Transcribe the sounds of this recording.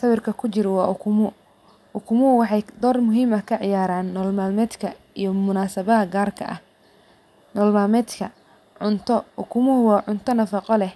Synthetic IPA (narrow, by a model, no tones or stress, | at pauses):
sɐβɪrkʰɐkʰʊt͡ʃɪɾwɑːʔʊkʰʊmʊ | ʊkʰʊmʊwɑħɑjd̪ɔːrmʊɦiːmɐkʰɐʕɪjaːɾaːnːɔːlmaːlmɛːd̪kʰɐ | ijɞmʊnaːsɐβɐɐɡaːrkʰɐ̰ʔɐ̰h | nɔːlmaːlmɛːd̪kʰɐ | ʕʊnt̪ʰɔʊkʰʊmʊhwɑːʕʊnt̪ʰɔnɐfɑqɔlɛh